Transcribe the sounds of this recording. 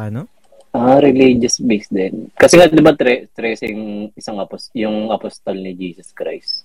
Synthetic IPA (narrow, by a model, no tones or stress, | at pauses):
n | ʔaɾɪlid͡ʒɐsbesd̪ɛnkɐsɛŋad̪ɪbat̪ɾɛt̪ɾɛsɐjʊŋɪsaŋʔɐposjʊŋɐpost̪ɐlnɪd͡ʒiːsɐskɾa̰js